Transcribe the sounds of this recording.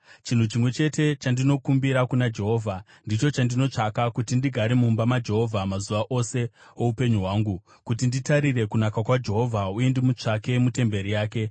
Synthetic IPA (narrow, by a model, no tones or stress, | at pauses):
t͡ʃin̤ut͡ʃimwe̞t͡ʃe̞te̞t͡ʃandino̞kumbiɾakunad͡ʒe̞ɦo̞ːvʱa | ndit͡ʃo̞t͡ʃandino̞t͡ʂakakutindiɡʱaɾimumbamad͡ʒe̞ɦo̞vʱamazuʋaʔo̞se̞ | oupe̞ɲuɦwaːŋɡu | kut̬inditaɾire̞kunakakwad͡ʒe̞ɦo̞vʱauendemut͡ʂake̞mute̞mbe̞ɾijaːke̞